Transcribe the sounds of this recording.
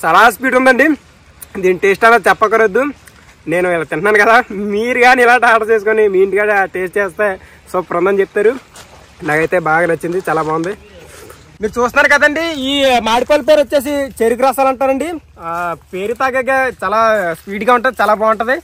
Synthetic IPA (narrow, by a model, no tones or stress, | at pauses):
t͡ʃaːlaːs̬piːʈund̪ɐɳɖi | d̪iːniʈeːsʈɐlat͡ʃɛpːɐkɐɾɐd̪ːu | ne̞ːnuɪlaːt̪ɪɳʈnaːnukɐd̪aːmiːɾuɡaːnilaːɳʈiaːʈɐt͡ʃeːsukonimiːiɳʈiɡaːniʈeːsʈt͡ʃeːst̪e̞ː | sopɾɐnd̪ɐmt͡ʃep̚ːt̪aːɾu | naːkɐjt̪e̞ːbaːɡaːnɐt͡ʃːind̪it͡ʃaːlaːbaːwund̪i | miːɾut͡ʃuːst̪nːaːɾukɐd̪ɐɳɖiiːmaːɽipaːlp̬eːɾot͡ʃːe̞ːs̬it͡ʃeɾuk̬ɾaːsaːlɐɳʈaːɾɐɳɖi | peːɾit̪aɡɐɡaːt͡ʃaːlaːspiːʈɡaːuɳʈɐnd̪it͡ʃaːlaːbaːwɐɳʈɐd̪i